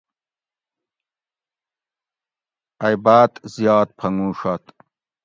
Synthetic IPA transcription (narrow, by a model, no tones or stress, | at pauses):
ɐjbaːt̪zjɑːt̪̚pʰɐŋɡũːʂɐt̪